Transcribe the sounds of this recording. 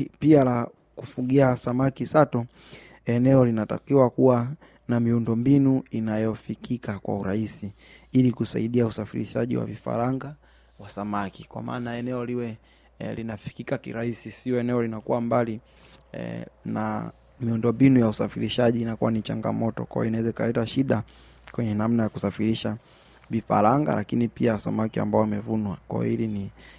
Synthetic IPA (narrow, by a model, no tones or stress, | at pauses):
piala | kufuɠiasamakisatɔ | ɛnɛɔlinata̰kiwakuwa | namiundɔmbinuinajɔfikikakwa̰uɾaisi | ilikusa̰iɗiausafiɾḭʃaʄḭwa̰vifa̰ɾaŋɡa | wasamakikwa̰ma̰ːnaɛnɛɔliwɛ | linafi̥kikakḭɾaisisiɔɛnɛɔlinakuwambali | na̰ | miundɔmbinujausafiɾiʃaʄiːnakuwanit͡ʃa̰ŋɡa̰mɔtɔ̰kwa̰jɔ̰inawɛzaikalɛtaʃiɗa | kwɛɲɛnamnajakusafiɾiʃa | vifa̰ɾaŋɡa̰lʔakinipiawasamakia̰mbaɔwmɛvunwakwa̰jɔ̰ilini